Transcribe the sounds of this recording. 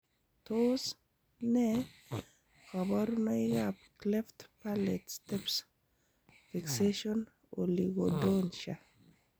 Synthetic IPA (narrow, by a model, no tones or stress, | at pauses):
tos | nɛ | kabɔɾnɔijapklɛftpalɛtstɛps | fikseʃɔn | o̰liɡɔdonʃa